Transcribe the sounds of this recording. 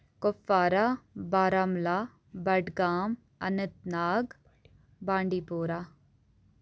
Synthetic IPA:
kofaːɾabaːɾamlaː | bɐɖɡaːm | ɐ̰nət̪̚naːɡ | bãːɳɖiːpoːɾaː

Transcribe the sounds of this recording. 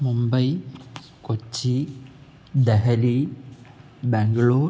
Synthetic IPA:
mumbɐj | kot͡ʃːi | d̪ɐɦɐli | bɛŋɡɐɭoː

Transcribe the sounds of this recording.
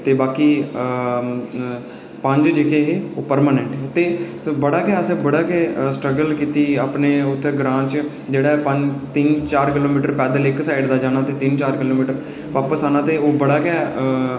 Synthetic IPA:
t̪eːbaːkiː | pə̃ɲd͡ʒd͡ʒɪkeːɦeːoːpəɾmaːnɛɳʈɦɛːt̪eː | bəɽaːkɛːəseːbəɽaːkɛːsʈɾəɡəlkiːt̪iːaːpneːʊt̪ʰːeɡɾãːt͡ʃ | d͡ʒeːɽaːɛpə̃d͡ʒt̪ɪnt͡ʃaːɾkɪloːmiːʈəɾpɛːd̪əlɪksaːɪɖd̪aːd͡ʒaːnaːt̪eːt̪ɪnt͡ʃaːɾkɪloːmiːʈəɾ | ʋaːpəsaːnaːt̪eːoːbəɽaːkɛː

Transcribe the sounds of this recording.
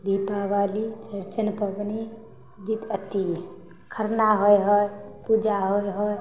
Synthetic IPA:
d̪ipaʋalit͡ʃəɾt͡ʃənpəbni | d͡ʒit̪ət̪i | kʰəɾnaɦojɦɔjpud͡ʒaɦojɦɔj

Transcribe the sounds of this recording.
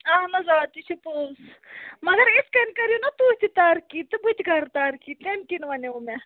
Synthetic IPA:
aɦnɐzaːt̪it͡ʃʰipoːs | mɐɡɐɾɪskɐnkɐɾijunɐt̪ut̪it̪aːɾkiːt̪ɨbut̪iɡʱɐɾt̪aːɾkiːt̪emkinʋɐneume

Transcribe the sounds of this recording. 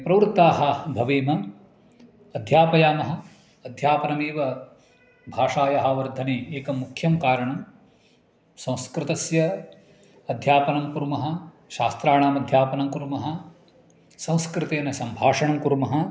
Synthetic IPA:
pɾɐʋɾut̪ːaːɦɐbʱɐʋeːmɐ | ɐd̪ʱjaːpɐjaːmɐɦɐ | ɐd̪ʱjaːpɐnɐmeːʋɐ | bʱaːʂaːjɐɦaːʋɐɾd̪ʱɐneeːkɐmukʰjɐmkaːɾɐɳɐm | sɐ̃w̃skɾɪt̪ɐsjɐ | ɐd̪ʱjaːpɐnɐmkuɾmɐɦɐ̆ | ʃaːst̪ɾaːɳaːmɐd̪ʱjaːpɐnɐmkuɾmɐɦɐ | sɐ̃w̃skɾɪt̪eːnɐsɐmbʱaːʂɐɳɐmkuɾmɐɦɐ

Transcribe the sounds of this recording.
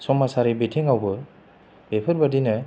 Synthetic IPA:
sɔmasaɾibitʰiŋawbɯ | bepʰɯɾbadinɯ

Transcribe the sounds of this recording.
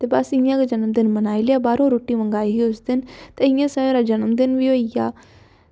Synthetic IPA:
t̪eːbəsɪjãːked͡ʒənmd̪ɪnmənaːileaːbaːɾõːɾoːʈiːmə̃ŋɡaːiɦiːʊsd̪ɪnt̪eːɪ̃jãːsəẽɾaːd͡ʒənəmd̪ɪnʋioijaː

